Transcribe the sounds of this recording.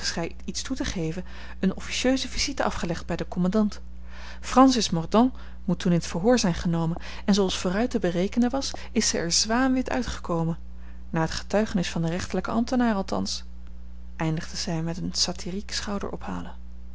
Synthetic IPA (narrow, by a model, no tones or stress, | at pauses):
əsχɛj | itstutəχejvə | ənɔfi̥ʃøɥzəvizitəʔɑfχəlɛχd̚bɛjdəkɔmɑndɑnt | frɑnsɪsmɔɹdɔ̃ŋ | mutːunɪnətfəɹɦʊːɹzɛjnχənowmən | ɛnzowɑlˠsfoːrœɥtəbərejkənənʋɑs | ɪsɛjɛɹzʋaːmʋɪtœ̰ɥtχə̥kowmən | naːɹɦətχə̥tœɥχənɪsfɑndərɛχtəɹləkəɑ̰mtənaːrɑlˠtɑ̰ns | ʔɛjndəχd̥əz̥ɛjmɛtənsatʰiriksχɑwdə̰ɹʔɔ̰pha̰ːlən